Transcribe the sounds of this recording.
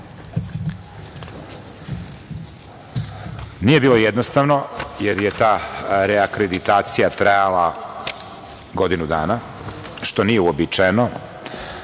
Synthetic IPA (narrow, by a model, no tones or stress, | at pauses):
nije̞biːlˠo̞jed̪nost̪aʋno̞jeɾje̞t̪aːɾeakɾed̪it̪aːt̪sijat̪ɾajalˠa | ɡo̞d̪inud̪a̰ːna | ʃt̪o̞nijeuobit͡ʂajno